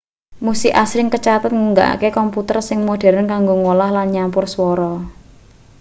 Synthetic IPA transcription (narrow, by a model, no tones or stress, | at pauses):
musiʔasɾɪŋkət͡ʃat̪ət̪̚ŋuŋɡa̰ʔkekɔmput̪ərsɪŋmoɖ̥ɛ̤ɾənkaŋɡoŋolahlanɲampʊrswɔɾɔ